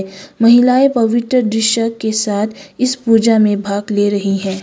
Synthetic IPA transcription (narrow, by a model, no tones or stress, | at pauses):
mɐɦɪlaːepɐʋɪt̪ɾəd̪ɾɪʃəkːesaːt̪ʰɪspuːd͡ʒamẽbʱaːɡleɾɐɦiɦɛ̃ː